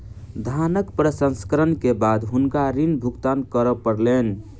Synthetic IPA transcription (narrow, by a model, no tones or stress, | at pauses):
d̪ʱanəkpɾəsə̃nskəɾənkebad̪ɦunkaɾinbʱuɡt̪ankəɾəpəɾlen